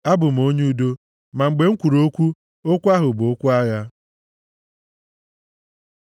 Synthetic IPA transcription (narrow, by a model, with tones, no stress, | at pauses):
a˦bʊ˨m̩˨o˦ɲu˦do˦ | ma˨ŋ͡m̩˨ɡ͡be˨ŋ̩˦kʷu˨ɾo˦kʷu˦ | o˦kʷa˦ɦʊ˨bʊ˨o˦kʷu˦a˦ja˦